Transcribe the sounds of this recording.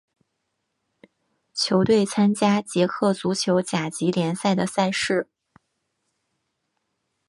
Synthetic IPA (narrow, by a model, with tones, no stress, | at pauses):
t͡ɕʰjo˧˥ʊt̪we˥˩ɪt͡sʰa˥nt͡ɕja˥t͡ɕjɛ˧˥kʰɤ˥˩t͡su˧˥t͡ɕʰjo˧˥ʊt͡ɕja˨˩t͡ɕi˧˥ljɛ˧˥nsa˥˩ɪd̪ə˩sa˥˧ɪʂɻ̩˥˩